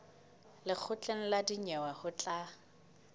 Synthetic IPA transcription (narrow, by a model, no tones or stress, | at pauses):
lɪk͡xʰʊt͡ɬʼen̩ladiɲɛwahʊt͡ɬʼa